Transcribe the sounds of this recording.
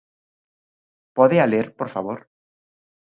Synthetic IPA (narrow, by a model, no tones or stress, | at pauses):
poðealeɾpoɾfaβ̞oɾ